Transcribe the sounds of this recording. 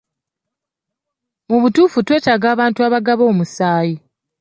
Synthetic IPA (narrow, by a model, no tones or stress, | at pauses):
muβutuːfutwe̞ːtaɡaːβaːntuaːβaɡaβo̞ːmusaːji